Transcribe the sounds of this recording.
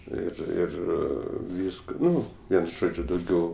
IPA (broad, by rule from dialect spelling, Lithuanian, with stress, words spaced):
ˈɪr ˈɪr ˈʋʲiːskɐ ˈnʊ ˈʋʲiɛn ˈʒoːd͡ʒʲʊ dɐʊˈɡʲɛʊ